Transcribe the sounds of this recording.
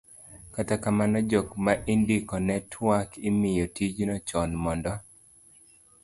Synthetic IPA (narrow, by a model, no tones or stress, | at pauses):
katakamanɔd͡ʒɔkmaʔindikɔnɛtʰwakimɪjɔtid͡ʒnɔt͡ʃɔnmɔndɔ